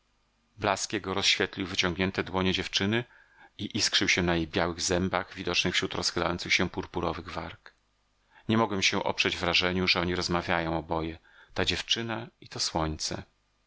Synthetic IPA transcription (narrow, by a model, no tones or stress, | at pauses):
blaskʲɛɡɔɾɔsɕfʲjet̪lʲiwvɘt͡ɕɔ̃ŋɡɲɛnt̪ɛd̪wɔɲɛd͡ʑɛft͡ʂɘnɘ | iʔiskʂɘwɕɛnajejbʲjawɘɣzɛmbaɣvʲid̪ɔt͡ʂnɘxfɕɾut̪ɾɔsxɘla̰jɔntsɘxɕɛpuɾpuɾɔvɘɣvaɾk | ɲɛmɔɡwɛmɕɛʔɔ̰pʂɛd͡ʑvɾaʐɛɲuʐɛɔɲiɾɔzmavʲjajɔ̃w̃ɔbɔjɛ | t̪ad͡ʑɛft͡ʂɘnait̪ɔswɔɲt̪sɛ̰